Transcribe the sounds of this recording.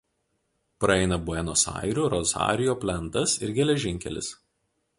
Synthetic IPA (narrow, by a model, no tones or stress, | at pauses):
pɾɐɛɪnɐbʊɛnoːsɑ̰ɪɾʲuːˑɾɔzɑ̰ːɾʲɪjoːpʲlʲɛnt̪ɐsɪɾɡʲɛlʲɛʒʲɪŋʲkʲɛ̰lʲɪ̰s